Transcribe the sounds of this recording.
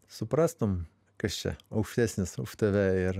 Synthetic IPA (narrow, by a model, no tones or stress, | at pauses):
sʊpɾɑːst̪om | kɐsʲt͡ʃʲɛ̰ɐʊkʃʲt̪ʲæsʲnʲɪsʊʃt̪ɐʋʲɛɪɾ